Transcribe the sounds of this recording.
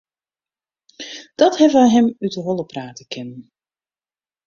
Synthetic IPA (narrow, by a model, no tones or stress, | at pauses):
d̥ɑthɛvajɦɛmytəɦɔlˠəpraːtəkʰɪnən